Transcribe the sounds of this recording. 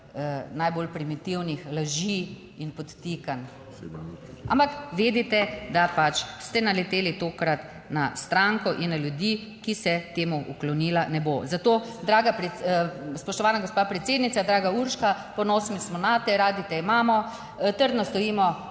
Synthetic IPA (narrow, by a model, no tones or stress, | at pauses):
ənajbolpɾimit̪iwnixlaʒi | inpɔt̪t̪ikan | a̰mpakʋeːd̪it̪ɛd̪apat͡ʃst̪ɛnalɛt̪eːlit̪oːkɾat̪ | na̰st̪ɾaŋkɔʔinːaljud̪i | kisɛt̪eːmuʔuklɔniːlanɛbozat̪oːd̪ɾaːɡapɾɛspɔʃt̪ɔʋaːnaɡospaːpɾɛt̪seːd̪nit̪sad̪ɾaːɡauɾʃka | pɔnɔːsmismɔnat̪ɛɾaːd̪it̪ɛimaːmɔ | t̪əɾd̪nɔst̪ɔiːmɔ